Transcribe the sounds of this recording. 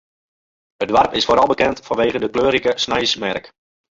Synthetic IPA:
ət̚dʋarpɪsfoːɾɑlˠbəkɛntfɑnʋeːɣədəkløːɾikəsnɛjsmɛrk

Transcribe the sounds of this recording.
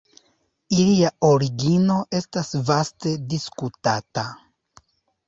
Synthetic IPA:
iliaoɾiɡino̞ʔe̞stasvaste̞diskutata

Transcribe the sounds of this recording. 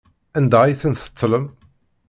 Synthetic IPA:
ænd̪æjθənθə̥t̪ˤːləm

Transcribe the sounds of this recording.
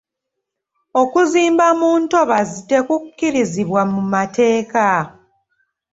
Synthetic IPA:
o̞kuziːmbamuːnto̞βazite̞kukːiɾiziβwamumate̞ːka

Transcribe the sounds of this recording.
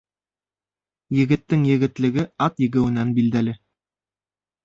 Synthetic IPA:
jɘ̆ɡɘ̆t̪ːɘŋjɘ̆ɡɘ̆t̪lɘ̆ɡɘɑt̪jɘ̆ɡɘ̆wɘ̆nænbild̪ælɘ

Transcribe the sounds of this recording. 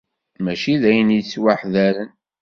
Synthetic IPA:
mæʃiðæjəniswaħðæɾən

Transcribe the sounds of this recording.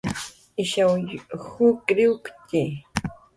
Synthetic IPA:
ɪʃawhʊkɾɪʊkt̪ɪ

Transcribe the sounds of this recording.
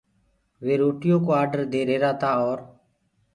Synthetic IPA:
ʋeːɾoːʈɪjõːkoːaːɖəɾd̪eːɾeːɾaːt̪aːɔːɾ

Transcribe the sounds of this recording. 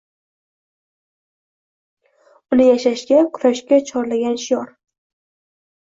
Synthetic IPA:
ʊnɪjaʃaʃɡʲakʰʊɾaʃkʲat͡ʃʰɒɾlaɡʲanʃɪjɒɾ

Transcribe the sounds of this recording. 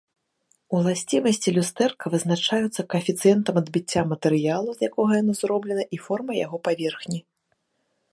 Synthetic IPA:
ulˠasʲt͡sʲimɐsʲt͡sʲilʲust̪ɛrkɐvɨznat͡ʂajut̪sːɐkɐfʲit̪sɨjɛnt̪ɐmɐd̪bʲit͡sʲːamɐt̪ɛɾɨjalˠuzjakɔɣɐjanɔzrɔblʲɛnɐʔifɔrmɐja̰ɣɔpavʲɛrxnʲi

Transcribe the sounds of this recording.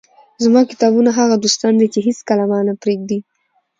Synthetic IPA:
zmɑkɪ̥t̪ɑbunaɦaɣad̪ost̪ɑnd̪et͡ʃeɦeskalamɑnapɾeɡd̪i

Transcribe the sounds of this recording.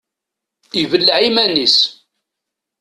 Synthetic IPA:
ivəlːʕimænis

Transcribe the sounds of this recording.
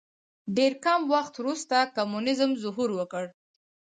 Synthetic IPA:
ɖeɾkamwaxt̪wɾust̪akamunɪzəmzʊɦuɾwəkəɽ

